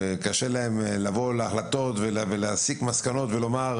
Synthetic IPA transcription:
ekaʃe̞lae̞mlavo̞leaχlat̪o̞t̪velveleasikmaskano̞t̪velo̞maʁ

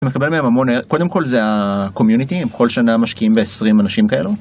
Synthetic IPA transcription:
mekabe̞lmeemamo̞nekod̪e̞mko̞lzeako̞mjunit̪imkʰo̞lʃanamaʃkiʔimbe̞esʁimanaʃimkae̞̰lu

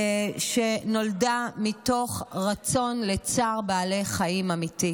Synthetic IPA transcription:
ʃe̞no̞ldamito̞χʁat͡so̞nle̞t͡saʁbaːle̞jχaimamiti

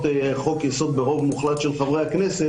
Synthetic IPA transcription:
t̪eχo̞kjaso̞d̪̚beʁo̞vmuχlat̪ʃelχavʁejaknese

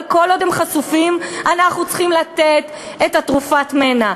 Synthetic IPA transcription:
ko̞lodemχasufimanaχnut͡sχimlat̪et̪ | et̪atʁufatmena

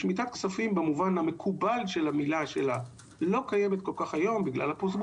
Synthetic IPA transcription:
ʃmit̪at̪ksafimbemuvanhame̞kʰubalʃe̞lamilaʃela | lo̞kaje̞met̪ko̞lkaχajo̞mbiɡla̰lhaposɡ

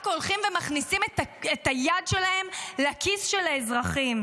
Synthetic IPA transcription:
akolχimvemaχnisimetaetajadʃelahe̞mleakʰisʃe̞laezʁaχim

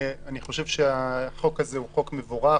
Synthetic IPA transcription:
aniχo̞ʃe̞vʃeaχo̞kazeuχo̞kmevoʁa

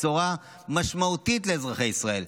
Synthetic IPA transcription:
t͡suʁa | maʃmaut̪itle̞ːzʁaχejisʁae̞l

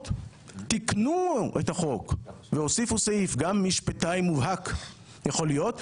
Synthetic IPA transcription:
t | t̪iknuʔethaχo̞k | veho̞sifuseʔifɡamːiʃpatajmuvɦak | jeχo̞lijo̞t

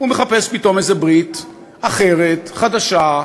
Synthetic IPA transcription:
umeχape̞spito̞mezebʁit | aχe̞ʁet̪χad̪aʃa

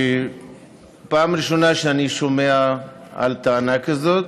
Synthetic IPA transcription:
i | pamɾiʃunaʃaniʃumeaa̰lt̪anakəzə

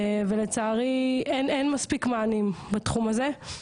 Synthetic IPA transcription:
velet͡saːʁiʔenenmaspikmaːnimbat̪χumhaze̞

